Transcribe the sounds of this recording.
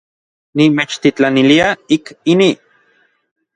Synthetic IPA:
nimet͡ʃt̪it͡ɬaniliaikini

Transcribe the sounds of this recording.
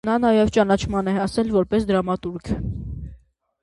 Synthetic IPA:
nɑnɑjɛvt͡ʃɑnɑt͡ʃʰmɑnɛɑsɛlvɔɾpɛsd̪əɾɑmɑt̪uɾkʰə

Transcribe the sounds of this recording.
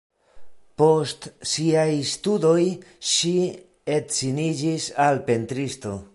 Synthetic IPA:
po̞stsiajstudo̞jʃi | e̞tt͡sinid͡ʒisalpe̞ntɾisto̞̰

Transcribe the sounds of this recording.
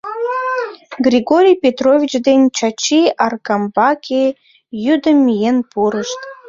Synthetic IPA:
ɡrʲiɡoɾʲijpʲet̪rovʲit͡ɕd̪enʲt͡ɕɑt͡ɕiɑrkɑmbɑkʲʰe | jyd̪əmʲːijenpuɾəʃt̪

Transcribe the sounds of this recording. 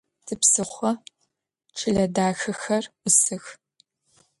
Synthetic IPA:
tʰɨpsɨχʷɔ | ʈ͡ʂʰɨɮɐdaːxɨxɐrʔʷʊsɨx

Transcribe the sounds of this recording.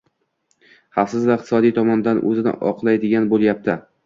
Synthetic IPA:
χafsɪzvaɪq̚t̪ʰɪsɒd̪ijt̪ʰɒmɒnd̪anʔɵ̰zɪnɪ̰ʔɒ̰qlˠajd̪ɪɡʲanbolˠjap̚t̪ʰɪ

